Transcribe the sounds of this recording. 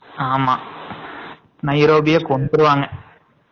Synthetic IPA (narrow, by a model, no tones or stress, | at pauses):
aːma | nɐjɾoːbijɐkoɳd̪uɾuʋaːŋːɐ